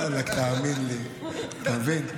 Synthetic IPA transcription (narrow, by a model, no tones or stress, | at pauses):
lakt̪aːminli | t̪avin